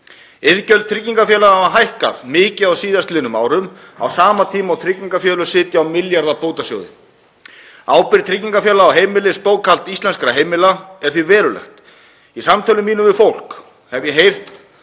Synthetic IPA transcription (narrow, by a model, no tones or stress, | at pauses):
ɪðcœl̚t̪ʰɾɪcːiŋkafjɛːlaavaɦajhka̰ðmɪːcɪawsiːðast̪lɪnʏma̰ːwɾʏma̰wsaːmat̪ʰiːmawt̪ʰɾɪcːiŋkafjœːlʏsɪːt̪jaːwmɪljaɾðapowt̪asjo̰ːwðɪ̰ | aːwpɪɾt̪ʰɾɪcːiŋkafjɛːlaːwɦeːjmɪlɪspoːwkʰal̥t̪ist̪lɛnskɾaɦeːjmɪlaɛɾ̥θɪɾvɛːɾʏlɛ̰xt̪ | isamt̪ʰœlʏmːiːnʏmvɪfowl̥k | hɛvjɛɦejr̥t̪